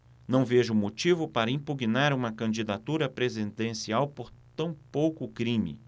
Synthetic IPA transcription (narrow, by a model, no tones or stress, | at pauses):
nɐ̃w̃veʒʊmot͡ʃivʊpaɾɐĩpuɡinaɾũmɐkɐ̃nd͡ʒid̪at̪uɾɐpɾezid̪ẽsiawpoɾt̪ɐ̃w̃powkʊkɾĩmɪ̰